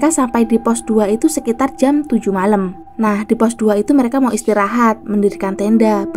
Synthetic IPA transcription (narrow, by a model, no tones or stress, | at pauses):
kasampajdipɔsd̥uait̪usəkit̪ard͡ʒamt̪ud͡ʒumalam | nahdipɔsduait̪uməɾekamauist̪iɾaɦat̪̚məndidikant̪endab